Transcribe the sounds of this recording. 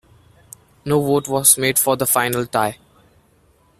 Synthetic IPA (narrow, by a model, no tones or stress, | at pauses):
noːʋoːʈʋɔːzmeːɖfɔːɾd̪əfaɪnəlʈaɪ